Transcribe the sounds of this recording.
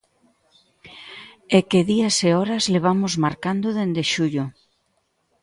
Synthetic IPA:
ekeðiaseɔɾazleβ̞amʊzmaɾkand̪ʊðend̪eʃuʎʊ

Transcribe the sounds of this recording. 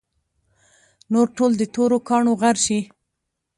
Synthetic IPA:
noɾʈold̪ət̪oɾokɑɳoɣaɾʃi

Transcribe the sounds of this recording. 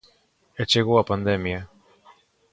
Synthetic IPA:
et͡ʃeɣoapand̪emja

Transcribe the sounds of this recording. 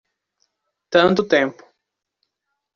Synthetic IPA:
t̪ɐ̃nt̪ʊt̪ẽmpʊ̥

